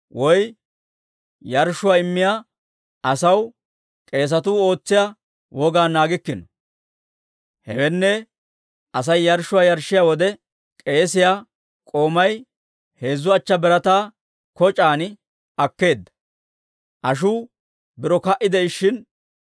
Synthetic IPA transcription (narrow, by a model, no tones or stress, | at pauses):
wɔj | jɐɾʃʊwaːɪmːɪjaː | ʔɐsɐw | kʼe̞ːs̬ɐt̪uːo̞ːt͡sːɪja | wʔɔɡaːnːaːɡɪkːɪnɔ | hɛwɛnːɛ | ɐs̬ɐjːɐɾʃʊwaːjɐɾʃːɪjaːwɔd̪ɛ | kʼe̞ːsɪjaː | kʼo̞ːmɐj | he̞ːzːʊɐt͡ʃːɐbɛɾɐt̪aː | kɔt͡ʃʼaːn | ɐkːe̞ːd̪ːɐ̥ | ʔɐʃ̬uː | bɪɾɔkɐʔɪd̪ɛɪʃːɪn